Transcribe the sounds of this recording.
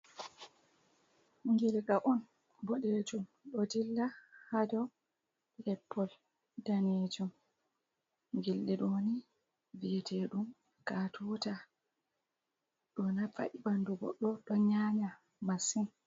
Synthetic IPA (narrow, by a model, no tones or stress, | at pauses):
ŋɡilɛkaʔɔn | bɔɗed͡ʒumɗɔdilːahadɔ | lɛpʰːɔl | daned͡ʒum | ŋɡilɗiɗɔni | vitʰɛɗum | katʰɔta | ɗɔnafa̰ʔibanduɡɔ̰ɗːɔɗɔɲaɲa | masin